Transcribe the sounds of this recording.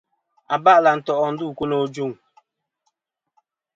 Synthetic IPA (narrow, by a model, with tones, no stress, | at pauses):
a˨ba˦˨la˨n̩˨tɔ˨ʔɔ˨n̩˨du˦˨ku˦no˦d͡ʒu˦˨ŋ